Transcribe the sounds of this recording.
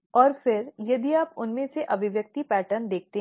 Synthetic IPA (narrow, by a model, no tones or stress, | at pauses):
ɔːɾfɪɾjɐd̪iaːpʊnmẽseʔɐbʱɪʋjək̚t̪ipɛːʈəɾnd̪eːk̚t̪e